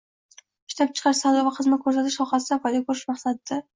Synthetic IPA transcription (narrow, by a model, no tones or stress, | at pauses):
ʃt̪ʰap̚t͡ʃʰɨ̥qʰɑɾsalˠavaqʰɨzmat̪kʰɵɾs̬at̪ʰɪʃsɒχasɪd̪afɒjd̪akʰɵɾɪʃmaχsad̪ɪd̪a